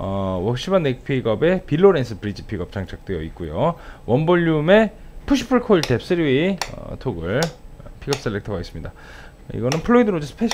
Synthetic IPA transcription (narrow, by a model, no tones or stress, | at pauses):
ʌwʌk̚ɕ͈ʰibanːek̚pʰiɡʌbe̞pilːoɾe̞nsʰɯpɯɾid͡ʑipʰiɡʌp̚t͡ɕ͈aŋt͡ɕʰak̚t͈wejʌ̰it̚k͈ujowʌnboʎːume̞pʰuɕʰi̥pʰɯɭkʰoiɭte̞p̚s͈ɯɾiwiʌ̰tʰoɡɯɭpʰiɡʌp̚s͈eɭːektʰʌɡais͈ɯmɲida | ḭɡʌnɯnpʰɯɭːoidɯɾod͡ʑesʰɯ̥pʰeɕʰ